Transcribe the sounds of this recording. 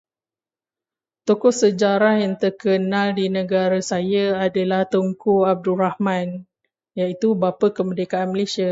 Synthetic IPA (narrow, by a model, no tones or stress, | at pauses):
t̪okɔsəd͡ʒaɾahjaŋt̪ərkənãldinə̃ɡaɾasajaadalaht̪oŋkuab̚duɾahmãn | jait̪ubapəkəmədekaanməlesia